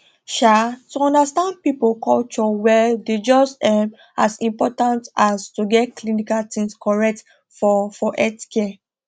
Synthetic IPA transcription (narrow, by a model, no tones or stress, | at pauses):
ʃatuɔ̃ndastãnd̚pipokɔlt͡ʃɔwɛded͡ʒɔsɛm | asĩmpɔtãntastuɡɛt̚klinikaltĩŋskɔɹɛk̚t | fɔfɔʔɛtkɛ